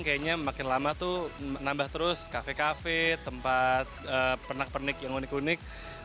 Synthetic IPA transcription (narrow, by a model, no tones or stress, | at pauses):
ŋkajaɲamakɪnlamat̪unambaht̪əɾʊskafekafet̪əmpat̪̚əpərnak̚pərnɪkjaŋunɪkunɪk̚